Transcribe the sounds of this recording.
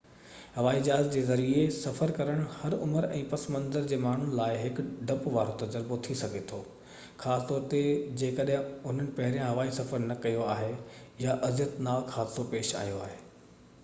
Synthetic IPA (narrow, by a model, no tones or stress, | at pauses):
ɦɐʋaːid͡ʑaːzd͡ʑeːzɐɾiesɐfəɾkɐɾəɽ̃hɐɾʊməɾɛ̰̃ːpɐsmɐ̃nd̪əɾd͡ʑeːmaːɳ̤ʊnɪ̆laːɪɦɪkɖɐpʋaːɾot̪ɐd͡ʑəɾbot̪ʰisɐɡʱet̪ʰoː | xaːst̪ɔːɾt̪ed͡ʑeːkɐɗɦɪ̃ʊn̤ənɪ̆pɐɦɪɾijãɦɐʋaːisɐfəɾnɐkɐjoaːɦejaʔɐzjət̪naːxʰaːsopeːʃa̰ːijoaːɦeː